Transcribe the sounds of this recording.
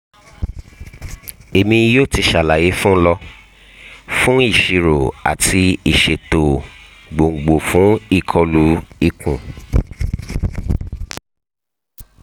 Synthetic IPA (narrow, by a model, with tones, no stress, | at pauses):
e˨mĩ˧joː˦˨ti˧ʃa˨la˨je˨˦fũ˦lɔ˧ | fũ˦i˦˨ʃi˧ɾo˨a̰˨tʰi˧i˨ʃe˨to˨ | ɡ͡bo˨ŋ̩˨ɡ͡bo˨fũ˨˦i˦˨kʰɔ˧lu˨˦i˧kũ˨